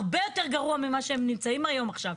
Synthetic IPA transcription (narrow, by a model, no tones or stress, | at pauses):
ʁbejo̞teʁɡaʁuamimaʃeemnimt͡saimajo̞maχʃav